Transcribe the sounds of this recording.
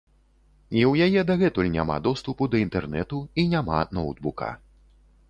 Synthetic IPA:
iwjajɛd̪ɐɣɛt̪ulʲnʲa̰ma̰d̪ɔst̪upud̪ɐint̪ɛrnɛt̪uinʲama̰nɔwd̪̚bukɐ̰

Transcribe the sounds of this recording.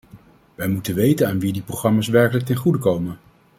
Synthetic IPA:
ʋɛjmutənʋejtənaːnʋidiprowχrɑmaːsʋɛɹkələk̚tɛnχudəkowmən

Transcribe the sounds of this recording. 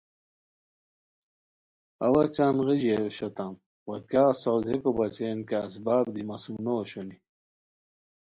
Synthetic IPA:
ɐwɐt͡ɕaːnʁiʑeɕot̪am | wɐkjaːsawzekobɐt͡ɕenkeːs̬baːbd̪imɐsunoːɕoni

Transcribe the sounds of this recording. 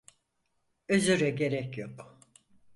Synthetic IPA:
øzyɾɛɟe̞ɾɛcjok

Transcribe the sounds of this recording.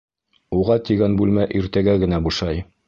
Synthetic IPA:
uʁɑt̪iɡænbʉlmæʔiɾt̪æɡæɡɘ̆næbuʃɑj

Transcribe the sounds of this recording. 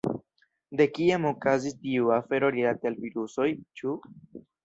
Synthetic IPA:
d̪e̞kiamo̞kazistiuafe̞ɾo̞ɾilat̪ealviɾuso̞jt͡ʃu

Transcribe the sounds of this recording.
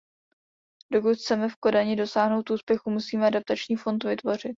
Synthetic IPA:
do̞k̬ut̪xt͡sɛmɛfko̞daɲɪdo̞saːɦno̞wt̪ʔuːspjɛxumusiːmɛadap̚t̪at͡ʃɲiːfo̞nt̪vɪt̪vo̞r̝ɪt̪̚

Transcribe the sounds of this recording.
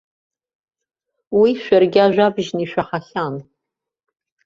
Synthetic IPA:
wiʃʷɐrɡʲaːʒʷabʒniʃʷᶣaχaχaːn

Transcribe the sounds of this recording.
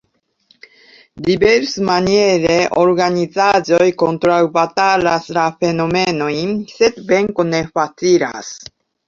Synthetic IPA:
d̪ʲibeɾsmanieɾeʔoɾɡaɲʲizazojkõnt̪ɾaɯbat̪alasɾafenomenoinset̪bẽŋkoneɸat͡siɾa̰s

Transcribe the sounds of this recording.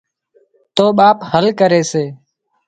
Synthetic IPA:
t̪oːɓaːphəlkəɾeːseː

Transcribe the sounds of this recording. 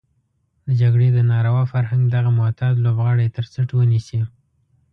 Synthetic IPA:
d̪əd͡ʒaɡɽed̪ənɑɾawɑfaɾɦaŋɡd̪aɣamʊt̪ʰɑd̪lobɣɑɽet̪əɾsəʈwənisi

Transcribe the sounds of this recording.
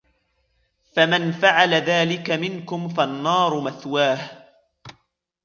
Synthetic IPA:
famanfaʕalaðaːlɪkamɪnkʊmfanːɑːɾˤʊmaθwaːh

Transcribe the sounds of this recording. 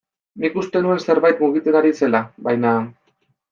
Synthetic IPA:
nikust̪e̞nue̞nse̞ɾβajt̪muɣ̞it̪eɣaɾise̞laβajna

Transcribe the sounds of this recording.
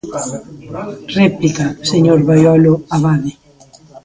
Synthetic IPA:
replikaseɲoɾβajɔloaβaðe

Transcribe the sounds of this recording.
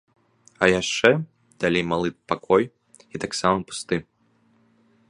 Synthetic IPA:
ɐjaʂt͡ʂɛ | d̪̥alʲejmalˠɨpakʰɔj | it̪aksamɐpu̥st̪ɨ

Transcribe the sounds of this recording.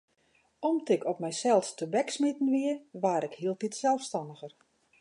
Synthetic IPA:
ɔmtɪkʰɔpmɛjsɛlˠstəbɛksmitən̩ʋiəʋaːɾɪkhiəlˠtitsɛlˠfstɑndəɣər

